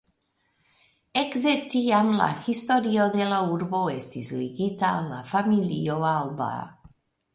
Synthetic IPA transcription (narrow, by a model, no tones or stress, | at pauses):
ekðet̪iamla̰xist̪oɾioðelauɾboest̪izliɡit̪ala̰familḭoalba̰